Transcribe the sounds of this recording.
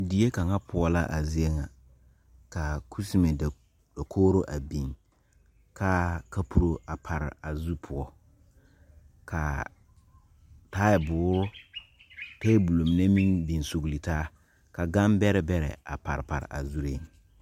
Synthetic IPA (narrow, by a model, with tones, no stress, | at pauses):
di˨˦e˦ka˨ŋa˦pʰʊ˦ɔ˦la̰˦ʔa˨zɪ˦ɛ˦ŋa˨ | ka˨kʰu˦sɪ˦me˨a˨ | d̥a˨kʰoː˦ɾo˦ʔa˨bi˨ŋ | kʰa˦ka˦pʰu˦ɾo˦a˨pʰa˨ɾɪ̰˨a˨zu˦pʰʊ˨ɔ˦ | kʰa̰˨ | taː˦ɪ˨bʊː˨˦ | tɛ˦bu˨lo˨m˨ne˦mi˦nbi˨nso˨ɡli˨taː˦ | ka˨ɡa˦mbɛ˦ɾɛ˦bɛ˦ɾɛ̰˨a̰˨pa̰˨ɾɪ˨pa̰˨ɾɪ̰˨ʔa̰˨zu˦ɾe˨ŋ